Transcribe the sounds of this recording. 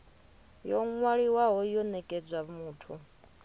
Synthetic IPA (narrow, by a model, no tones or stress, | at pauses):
jɔŋwaɺiwaɦɔjɔnɛkʼɛd͡zʷwamuːtʰu